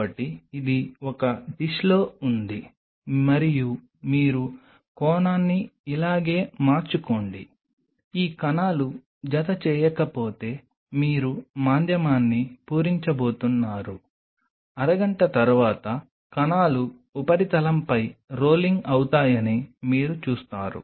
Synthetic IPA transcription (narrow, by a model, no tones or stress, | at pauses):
ɐʈːiːd̪iɔkɐɖiʃlo̞ːund̪i | mɐɾiju | miːɾu | kɔːnaːnːiːlaːɡe̞ːmaːɾt͡ʃuko̞ːɳɖi | iːkɐnaːlu | d͡ʒɐt̪ɐt͡ʃɛːjɐkɐpo̞ːt̪e̞ː | miːɾumaːnd̪ʱjɐmaːnːipuːɾiɲt͡ʃɐbo̞ːt̪unːaːɾu | ɐɾɐɡɐɳʈɐt̪ɐɾuʋaːt̪ɐ | kɐnaːluː | pɐɾit̪ɐlɐmpɐjɾo̞ːliŋɡɐwut̪aːjɐnimiːɾut͡ʃuːst̪aːɾṵ